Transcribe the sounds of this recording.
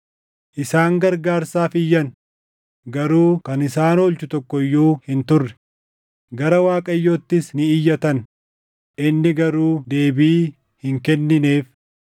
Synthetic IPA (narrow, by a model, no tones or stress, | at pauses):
ʔɪsaːŋɡɐɾɡaːɾsaːfɪjːɐn | ɡɐɾuːkɐnɪsaːnoːlt͡ʃʊt̪ɔkːɔjːuːhɪnt̪ʊrːɛ̥ | ɡɐɾɐwaːkʼɐjːoːt̪ːɪsnɪɪjːɐt̪ɐn | ʔɪnːɪɡɐɾuːd̪e̞ːbiː | hɪŋkɛnːɪne̞ːf